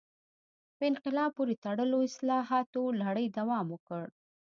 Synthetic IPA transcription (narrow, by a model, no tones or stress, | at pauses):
pəɪnqɪlɑb̚poɾet̪aɽəloɪslɑɦɑt̪olaɽəjd̪awɑmwəkəɽ